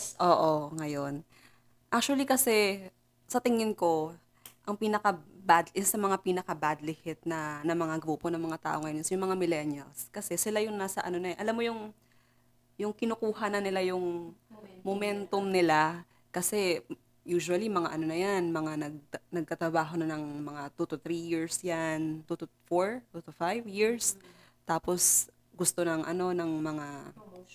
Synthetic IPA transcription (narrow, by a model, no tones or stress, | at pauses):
ʔoːʔoŋɐjo̞n | ʔak̚t͡ʃuwɐlikɐsɛ | sɐt̪ɪŋɪnko̞ | ʔɐŋpiːnɐkɐbad̪ʔɪsɐmɐŋapiːnɐkɐbad̪lɪhɪt̪̚nɐnɐmɐŋaɡɾuːponɐŋmɐŋat̪a̰ːʔo̞ŋːɐjosjʊŋmɐŋamɪlɛnjɐlskɐsɛsɪlajʊŋnaːsɐʔɐno̞nɐʔɐlamːo̞jʊŋ | jʊŋkɪnʊkuːhɐnɐnɪlajʊŋ | momɛnt̪omnɪla | kɐsɛ | juːʃʊɐlimɐŋaʔɐno̞nɐjanmɐŋanɐɡ̚nɐɡ̚k̪ɐt̪ɾɐbaːɦo̞nɐnɐŋmɐŋat̪ut̪ʊt̪ɾijiɹsjant̪ut̪ufoɹt̪ut̪ʊfajvjiɹs | t̪aːpo̞s | ɡʊst̪o̞nɐŋʔɐ̰no̞nɐŋmɐŋa